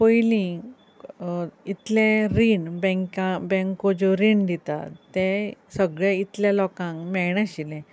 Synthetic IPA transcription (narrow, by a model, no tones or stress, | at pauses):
pəjlĩ | it̪lẽɾiɳbɛ̃ŋkãbɛ̃ŋkod͡ʑoɾiɳd̪ʱit̪a̰t̪ẽsəɡɭeit̪ljalɔkãŋkmɛɳãɕilɛ̃